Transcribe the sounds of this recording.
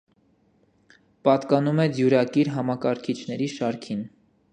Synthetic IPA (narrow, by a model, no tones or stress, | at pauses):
pɑt̪kɑnumɛd͡zjuɾɑkiɾɦɑmɑkɑɾkʰit͡ʃʰnɛɾiʃɑɾkʰin